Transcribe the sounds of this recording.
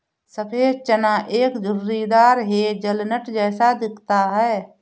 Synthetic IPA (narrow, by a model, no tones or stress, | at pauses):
səpʰeːɦt͡ʃənãʔeːkd͡ʒʊɾɾid̪aːɾɦed͡ʒəlnəʈd͡ʒɛːsad̪ɪkʰt̪aɦɛː